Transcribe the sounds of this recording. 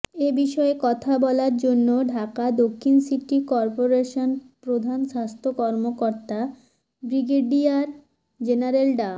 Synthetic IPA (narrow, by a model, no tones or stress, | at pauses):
ebiʃɔekɔt̪ʰabɔlaɾd͡ʑonːoɖʱakad̪okʰːinsiʈikɔɾpoɾeʃonpɾod̪ʱanʃast̪ʰokɔɾmokoɾt̪a | bɾiɡeɖiaɾ | d͡ʑenaɾelɖa